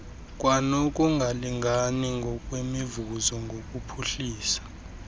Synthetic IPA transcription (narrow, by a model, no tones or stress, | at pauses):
kʼwanɔkʼuŋɡʱaliŋɡʱaniŋɡʱɔkʼwemivuzɔŋɡʱokʼupʰuɬiːsḁ